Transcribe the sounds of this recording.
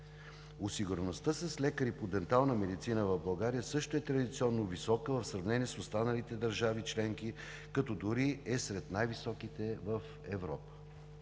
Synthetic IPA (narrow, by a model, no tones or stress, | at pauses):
ʊsiɡʊɾnost̪əsɐslɛkəɾipod̪ɛnt̪alˠnəmɛd̪it̪sinəvɐvblˠɐɡaɾijəsɤʃt̪oɛt̪ɾɐd̪it̪siɔnːovisɔkəvəfsɾɐvnɛniɛsʊst̪anəlit̪ɛd̪əɾʒavit͡ʃlɛŋki | kɐt̪ɔd̪uɾiɛsɾɛt̪najvisɔkit̪ɛvəf | ɛvɾɔpə̥